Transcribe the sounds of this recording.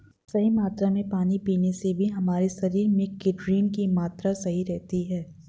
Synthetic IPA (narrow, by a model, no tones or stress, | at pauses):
sɐɦimaːt̪ɾamẽpaːnipiːnesebʱiɦɐmaːɾesɐɾiːɾmɪkːɪʈɾiːnkimaːt̪ɾasɐɦiɾɛɦt̪iɦɛː